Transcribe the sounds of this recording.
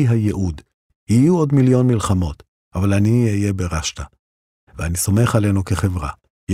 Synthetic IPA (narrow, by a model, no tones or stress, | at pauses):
iɦajeʔud | hijuo̞dmiljo̞nmilχamo̞t | ʔavalaniijebe̞ʁaʃta | veaniso̞me̞χale̞nukeχe̞vʁa | j